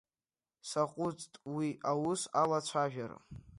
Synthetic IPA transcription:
saqʼʊt͡sʼtʼwiʔawusalat͡ɕʷʰaʒᶣara̰

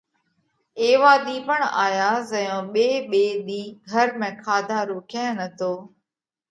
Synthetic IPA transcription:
eːʋaːɗ̪iːpəɳa̰ːjaːzəjõːɓeːɓeːɗ̪iːɡʱəɾmẽːkʰaːd̪ʱaːɾoːkʰaːnət̪ʰoː

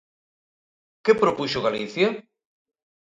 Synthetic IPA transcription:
kepɾopuʃoɣaliθja

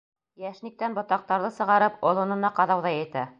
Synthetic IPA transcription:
jæʃnik̚t̪ænbŏt̪ɑq̚t̪ɑɾðɤsɤ̆ʁɑɾɤpŏlˠŏnɤ̆nɑqɑðɑwðɑjɘ̆t̪æ

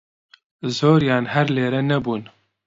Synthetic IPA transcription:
zoːɾjaːnhɛɾleːɾɛnɛbuːn

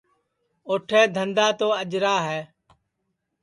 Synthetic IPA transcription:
oːʈʰɛːd̪ʱənd̪aːt̪oːəʄɾaːɦɛː

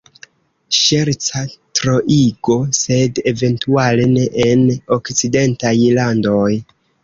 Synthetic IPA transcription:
ʃeɾt͡satɾoʔiɡo̞se̞de̞ve̞ntualene̞ʔeno̞kt͡side̞ntajlando̞j

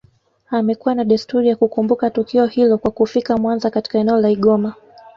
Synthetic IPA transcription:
amɛkuwanaɗistuɾijakukumbukatukiɔhilɔkwakufikamwanzakati̥kaɛnɛɔlaiɠɔma

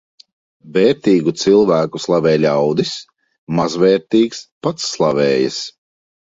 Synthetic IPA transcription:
vɛːɾt̪iːɡut̪silˠvæːkuslˠavɛːlʲawd̪is | mazvɛːɾt̪iːkspat̪sːlˠavɛːjas

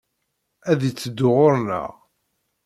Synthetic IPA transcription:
æðit͡sːəd̪ːʊʁʊɾnə̰ʁ

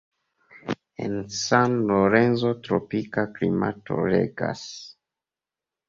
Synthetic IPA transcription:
ensanloɾenzo̞tɾopikaklima̰to̞̰ɾḛɡa̰s

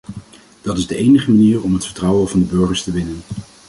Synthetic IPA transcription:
d̥ɑtɪzdəʔejnəχəmaniːɹɔmɦətfəɹtrʌwəvɑndəbɵɹχəɹstəʋɪnən

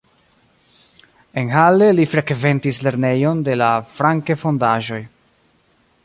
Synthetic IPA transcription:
e̞nɦale̞lifɾe̞kve̞ntisle̞ɾne̞jo̞nde̞lafɾaŋkefo̞ndaʒo̞j

